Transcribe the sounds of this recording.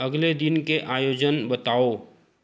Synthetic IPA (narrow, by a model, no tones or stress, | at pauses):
əɡled̪ɪnkeʔaːjoːd͡ʒənbət̪aːo